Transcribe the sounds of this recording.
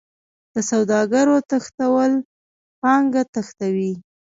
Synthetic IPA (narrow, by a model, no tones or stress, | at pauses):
d̪̥əsawd̪ɑɡaɾot̪əxt̪awəl | pɑŋɡat̪əxt̪awi